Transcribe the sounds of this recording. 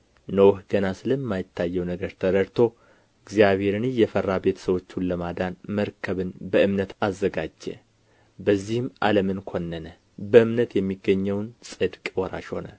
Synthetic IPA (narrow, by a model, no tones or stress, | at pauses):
nəwhɡ̥ənasɨləmːajɪt̪ʰːajːɛwnəɡəɾt̪ʰəɾəɾt̪ʰo̞ | ɨɡzijaβhe̞ɾɨnɨjɛfərːabet̪ʰsəwo̞t͡ʃːunləmad̪anməɾkʰəβɨnbəʔɨmnət̪azːəɡad͡ʒːɛ̰ | bəzːihɨma̰ləmɨnkʰo̞nːənə | bəɨmnət̪jɛmːiɡːəɲːəwnsʼɨd̪kʼwɔɾa̰ʃho̞nə̰